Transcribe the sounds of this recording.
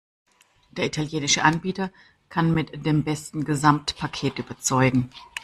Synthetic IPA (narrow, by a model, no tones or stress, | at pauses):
d̥eːɐʔitʰaljeːnɪʃəʔanbiːtɐ | kʰanmɪtd̥eːmbɛstn̩ɡəzamtpʰakʰeːtʔyːbɐt͡sɔʏɡŋ̩